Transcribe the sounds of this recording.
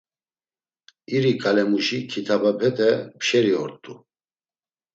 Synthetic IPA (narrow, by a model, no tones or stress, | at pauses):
iɾikʼalɛmuʃikʰit̪ʰabapʰɛt̪ʰɛpʃɛɾiɔɾt̪ʼu